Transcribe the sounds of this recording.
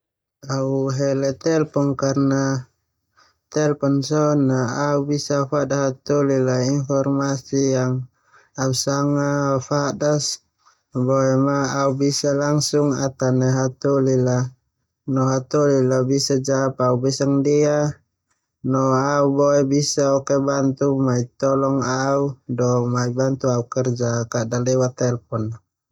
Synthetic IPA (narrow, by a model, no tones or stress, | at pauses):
auɦɛlɛt̪ɛlpɔŋkarna | t̪ɛlpɔnsɔnaaubisafadaɦat̪ulilainfɔrmasijaŋ | ausaŋafadas | bɔɛmaːubisalaŋsuŋat̪anɛɦat̪ulila | nɔɦat̪ulilabisad͡ʒapaubɛsaŋdia | nɔaubɔɛbisaɔkɛbant̪umait̪ɔlɔŋaudɔmaibant̪uaukɛrd͡ʒakaʔdalɛwat̪ɛlpɔn